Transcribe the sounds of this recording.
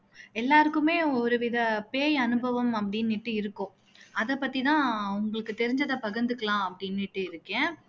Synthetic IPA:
ɛlːaːɾɯkːɯmeːɔɾɯʋɪðɐpeːjɐnɯbɐʋɐmɐp̬ːɐɽɪnːɪʈːɯɪɾɯkːʊ̃ː | ɐðɛpːɐt̪ːit̪ãːʊŋɡɐɭɯkːɯt̪ɛɾɪɲd͡ʒɐðɐpɐɣɐnd̪ɯkːɐɭãːɐpːɐɽɪnːɪʈːɯɪɾɯkːẽː

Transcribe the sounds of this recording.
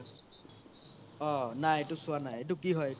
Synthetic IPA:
ɔnajtʊsʊanajdukiɦɔj

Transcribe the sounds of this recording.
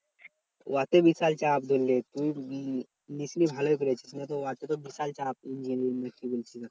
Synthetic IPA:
ʋat̪ebisalt͡ɕaːpd̪ʱolːet̪uːɽ | nisnibʱalɔjk̬əɾat͡ɕisnjat̪ɔʋat̪et̪ɔbisalt͡ɕaːp̚iɲd͡ʑinəɾiŋnəkːibolt͡ɕit̪a

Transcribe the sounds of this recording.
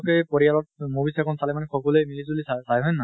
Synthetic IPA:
kɛpɔɹialɔt̚mobisɛkʰɔnsalɛmanɛxɔkɔlemilizulisasajɦɔjnːa

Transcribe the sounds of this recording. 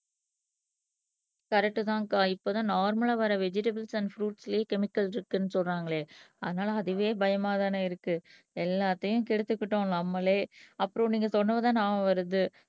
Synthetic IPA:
kɐɾɛk̚ʈːɯðãːŋkaːɪpːoːt̪ãːnaːɾmɐɭaːʋɐɾɐʋɛd͡ʒɪʈɐbɐlsɐnɖfɾuːʈsɪljeːkɛmɪkːɐlɪɾɯkːɯnːɯsɔlraːŋɡɐɭeːɐðɐnaːlɐːðɯʋeːbɐjɐmaːðaːnɐɪɾɯkːɯ | ɛlːaːt̪ːɐjʊ̃kɛɽɯt̪ːɯkːɪʈːõːnɐmːɐleːɐpːɯɾɔ̃niːŋɡɐsɔnːɐʋɐðãːnaːmɐʋɐɾɯðɯ

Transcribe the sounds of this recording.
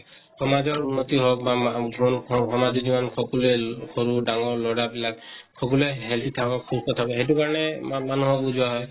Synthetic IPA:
hʰɔmazɔɹunːɔt̪iɦɔbaɔnhɔmad͡ʒɔzimɔnkʰɔkulɛkʰɔɹudaŋɔɹlɔɽabilak̚kʰːɔk̬ulɛɦɛlt̪ʰit̪ʰabɔkʰustɔt̪ʰabɔɦet̬ukaɹɔnɛmanuɦɔk̚buzʊwaɦɔj

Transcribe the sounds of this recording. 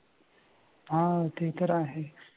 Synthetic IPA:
ɦãt̪eɦt̪əɾaːɦe

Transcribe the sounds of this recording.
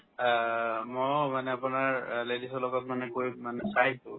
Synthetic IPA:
mojmanɛapʊnaɹledisɔlɔɡɔtmanɛkojmanɛsajsʊ̃

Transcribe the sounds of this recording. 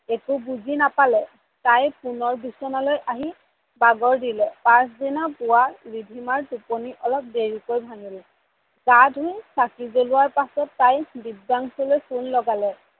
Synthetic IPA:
ekʊbuzinapalɛ | tajpunɔɹbisɔnalojʔaɦi | baɡɔɹdilɛpas̬dinapʊwaɹibʱimaɹtuponiʔɔlɔp̚deɹikojbʱanilɛ | ɡadʱɦʊjsakizolʊwaɹpasɔtːajbib̚daŋsɔlojsunlɔɡalɛ

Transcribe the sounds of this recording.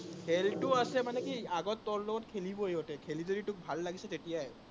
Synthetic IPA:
helʈuasɛmanekiaɡɔt̪ːɔɹlɔɔt̪kʰelibɔejɔʈɛkʰelidoɾiʈuk̚bʱalːaɡisɛt̪eʈijaj

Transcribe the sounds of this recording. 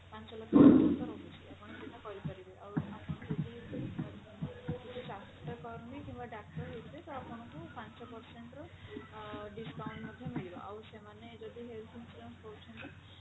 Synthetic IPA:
pant͡ʃɔlɔkʰɔtɔt̪ɔɾobut͡ʃʰiakʰɔɽ̃ɔd̪inakɔɾipɔɾibeʔawakʰɔɽ̃ɔd͡ʒɔd̪ibeiɔɾi | kit̪ʰusasʈɔkɔɾmikimbaɖakʈɔɦeb̪et̪ɔakʰɔɽ̃ɔkupant͡ʃɔpɔɾseɳʈɾɔ | ɖisʈawɳɖmɔd̪ʱjɔmiɭibɔ̰ʔawsemaned͡ʒɔd̪iɦelʰinsʈɔmpɔwt͡ʃʰɔnt̪ɔ

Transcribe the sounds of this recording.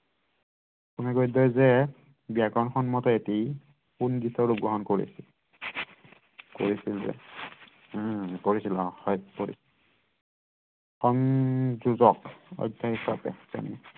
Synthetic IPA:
kunɛɡojdɔjzɛ | biaɡɔnxɔnmɔtɔeti | punɡisɔɹupb̚ɡɔɦɔnkoɹḭsi | ko̰ɹisilzɛ̰ | koɹisilɔhɔjkoɹḭs | xɔnzuzɔkɔ̰jdʱːahisapɛ̰tɛ̰nɛ

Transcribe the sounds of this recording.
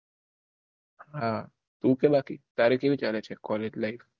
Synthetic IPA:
ɦã | t̪ukebakit̪aɾekebit͡ʃalet͡ʃʰekɔled͡ʒlajf

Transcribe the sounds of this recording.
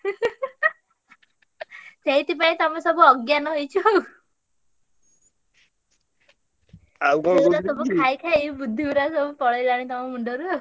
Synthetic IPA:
t̪ejt̪ip̬aĩt̪ɔmãsɔbuɔɡjanɔɦojt͡ʃʰɔ | awkuɾasɔbukʰajkʰajbud̪ʱːiɡuɾasɔbupɔɭɔjlaɽ̃it̪ɔmamuɳɖɔɾu

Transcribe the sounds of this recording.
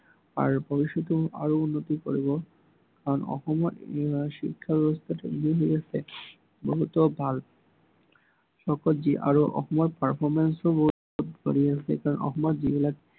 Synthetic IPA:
a̰ɾbɔɾiʃot̪oʔa̰ɾounːot̪iko̰ɾibo | kaɾonɔ̰xɔmoɾʃḭkʰːabɛbost̪ʰaʈaḭniɦojt͡sʰe | bɔɦut̪obʱal | ʃɔkold͡ʑiʔa̰ɾoʔɔ̰hɔmɔɾpaɾpʰɔɾmensobo | t̪d̪ʱo̰ɾiat͡ɕʰekaɾɔnʔɔ̰ɦmɔd̪d͡ʑibilak

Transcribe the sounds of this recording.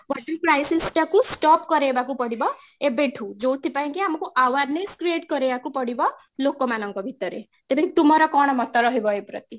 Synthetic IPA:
ʋaʈipɾajsilsʈakusʈɔpkɔɾebakupɔɽibɔ | ebeʈʰũd͡ʒowt̪ʰipaĩkiamɔkuʔawaɾneskɾieʈkɔɾebakupɔɽibɔ | lokɔmanɔŋkɔbʱit̪ɔɾḛ | t̪eb̪ekit̪umɔɾɔkɔɽ̃ɔmɔt̪ɔɾɔɦibɔepɾʌt̪i

